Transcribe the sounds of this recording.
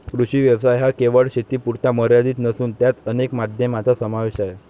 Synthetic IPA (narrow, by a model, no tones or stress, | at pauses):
kɾuɕiːʋjəʋsajɦakeʋəɭɕet̪iːpuɾt̪aməɾjad̪iːt̪nəsuːnt̪jat̪ənekmad̪ʱjəmat͡sasəmaʋeɕaje